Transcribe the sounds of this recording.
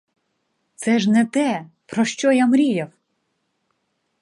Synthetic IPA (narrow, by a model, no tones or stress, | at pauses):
t̪sɛʒnɛt̪ɛ | pɾɔʃt͡ʃɔjamɾʲijɐw